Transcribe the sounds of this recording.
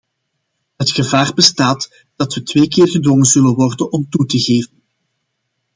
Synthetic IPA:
ɦətxəvaːrbəstaːt | d̥ɑtʋətʋeːkɪːrɣədwɔŋənzɵlənʋɔrdənɔmtutəɣeːvən

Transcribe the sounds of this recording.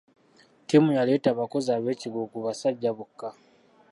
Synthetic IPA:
timujale̞ːtaːβako̞zaβe̞ːciɡukuβasaɟːaβukːa

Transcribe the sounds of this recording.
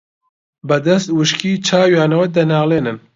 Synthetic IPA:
bɐd̪ɐst̪wɨʃkʰiːt͡ʃʰaːwjaːnɐwɐd̪ɐnaːlˠeːnɨn

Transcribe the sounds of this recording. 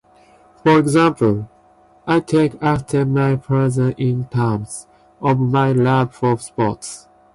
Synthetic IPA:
fɔɹɛɡzãmpʰəl | aɪtʰekaftʰəmaɪpʰɹɛzəʔɪ̃ntʰãms | ɔvmaɪlabfɔspɔts

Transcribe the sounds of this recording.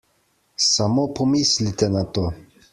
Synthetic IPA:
samopʰomislit̪enat̪o

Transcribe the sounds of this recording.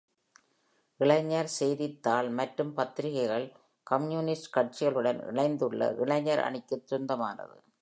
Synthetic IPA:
ʔɪɭɐɲːaɾsɛjðɪt̪ːaːlmɐʈrɯmpɐt̪ːɪɾɪɣɐɪɣɐɭ | kɐmjuːnɪsʈkɐʈ̚t͡ʃɪɣɐɭɯɽɐnɪ̰ɭɐɪnd̪ɯɭːɐ̰ʔɪɭɐɲːɐɾɐ̰ɳɪkːɯt̪ːɪɾʊnd̪ɐma̰ːnɐ̰ðɯ̰

